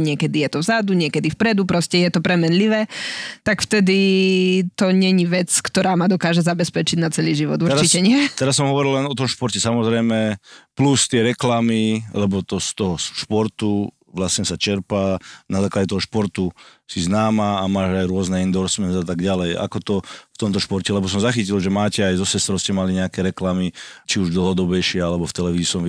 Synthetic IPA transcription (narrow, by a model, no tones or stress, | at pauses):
ɲɪɛkɛd̪ijɛt̪ɔvzad̪uɲɪɛkɛd̪ifpɾɛd̪upɾɔscɛjɛt̪ɔpɾɛmɛnliʋɛːt̪akft̪ɛd̪i | t̪ɔɲɛɲiʋɛt͡skt̪ɔɾaːmad̪ɔkaːʒɛzabɛspɛt͡ʃiɟnat͡sɛliːʒiʋɔ̰d̪uɾɾɾt͡ʃicɛɲɪɛt̪ɛɾasːɔmɦɔʋɔɾillɛnɔt̪ɔmʃpɔɾcɛsamɔzɾɛjmɛplust̪ɪɛɾɛklamilɛbɔt̪ɔst̪ɔɦɔsʃpɔɾt̪u | ʋlasɲɛsat͡ʃɛɾpanazaːklaɟɛt̪ɔɦɔʃpɔɾt̪usiznaːmaːmaːʒajɾʊɔznɛind̪ɔɾsmɛnzat̪aɡɟalɛja̰kɔt̪ɔft̪ɔmt̪ɔʃpɔɾcɛlɛbɔs̬ɔmzaxicilʒɛmaːcɛajzɔsɛst̪ɾɔʊscɛmaliɲɛakɛɾɛklamit͡ʃiuʒd̪l̩ˠɦɔd̪ɔbɛjʃɪɛalɛbɔft̪ɛlɛʋiziisɔmi